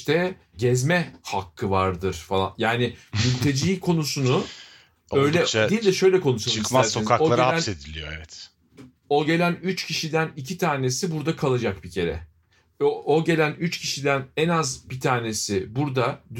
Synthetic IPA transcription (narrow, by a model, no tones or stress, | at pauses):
t̪ʰɛ | ɟɛzmɛhakʰːɯvaɾd̪ɯɾ̥falˠa̰njaːnɪmylʲt̪ʰe̞d͡ʒiːkʰo̞nusunʊ | ø̞jlʲɛilʲd̪ɛʃø̞jlʲɛkʰo̞nuʃalˠuiæɾsoniaoaɾnsed̪ilʲijoɛvɛt̪ | oɟe̞lʲænyt͡ʃcʰiʃid̪ænicʰit̪ʰaːne̞sibuɾd̪akʰalˠad͡ʒak̚bicʰe̞ɾɛ̰ | ooɟe̞lʲænyt͡ʃcʰiʃid̪ænɛnazbit̪ʰaːne̞sɪbuɾd̪ad̪